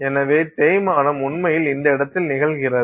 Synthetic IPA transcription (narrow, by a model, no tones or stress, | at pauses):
ɛnɐʋeːt̪eːjmaːnɐmʊɳmɐjɪlɪnd̪ɐɪɽɐt̪ːɪlnɪɣɐɭɣɪrɐ